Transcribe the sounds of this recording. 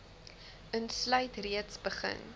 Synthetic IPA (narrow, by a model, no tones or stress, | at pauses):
ənslœɥtriətsbəχə̰n